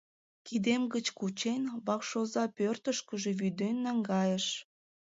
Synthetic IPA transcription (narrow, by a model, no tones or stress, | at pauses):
kid̪emɡət͡ɕkut͡ɕenβɑkʃozɑpørt̪əʃkəʒe̽βyd̪enːɑŋɡɑjəʃ